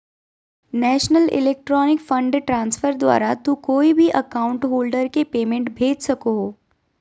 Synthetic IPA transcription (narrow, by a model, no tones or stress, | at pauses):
nɛːʃnəlɪ̰leːk̚ʈɾɔːnɪkfə̃ɳɖʈɾãːnsfəɾd̪wa̰ːɾat̪ukoːibʱiʔɐkaːʊ̃ɳʈɦoːlɖəɾkepeːmẽɳʈbʱeːd͡ʒsɐkoɦoː